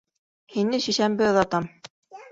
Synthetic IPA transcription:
hinɘʃiʃæmbɘ̆ðɑt̪ɑm

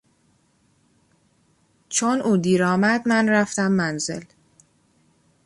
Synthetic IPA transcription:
t͡ʃʰonʔuːd̪iːɾɒːmæd̪mænræft̪æmːænze̞̰l

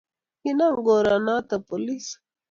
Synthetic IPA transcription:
hinaŋɡoɾanat̪apolis

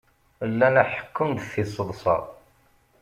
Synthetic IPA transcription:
lːænæħə̥kːəmd̪θisˤəðˤsˤɑ̰ˤ

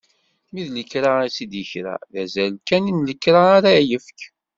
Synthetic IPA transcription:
miðləkːɾaisid̪jəçɾæ̰ðæzælkːæninləkːɾaːɾajəfk

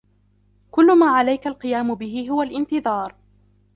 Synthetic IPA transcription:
kʊlːʊmaːʕalajkalqɨjaːmʊbɪɦɪɦʊwalʔɪnt̪ɨðˤɑːɾˤ

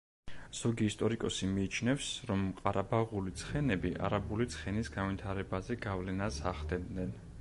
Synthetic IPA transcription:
z̥ɔɡiːst̪ʼɔɾikʼɔsimiːt͡ʃʰnɛfsɾɔmqʼaɾabaʁulit̪sʰχɛnɛbiʔa̰ɾabulit̪sʰχɛnisɡanvit̪ʰaɾɛbazɛɡavlɛnasaχd̪ɛd̪nɛn

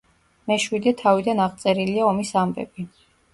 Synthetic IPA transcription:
mɛʃwid̪ɛt̪ʰavid̪anaʁt̪sʼɛɾiliaɔmisambɛ̰b̥i

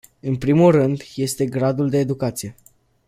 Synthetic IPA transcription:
ɨnpɾimulrɨnd̪je̞st̪e̞ɡɾad̪uld̪e̞ːd̪ukat̪sije̞

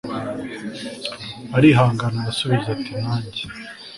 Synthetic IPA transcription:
aɾiɦaːŋɡanaɾasuβiɾɟatinaːɲɟe

